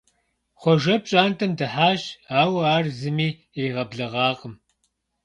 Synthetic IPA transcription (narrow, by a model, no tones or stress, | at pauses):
χʷɔʒɐp̚ɕʼaːntʰɐmdɨħaːʒaːwaːrzɨmiː | eːʁɐbɮɐʁɑːqʼəm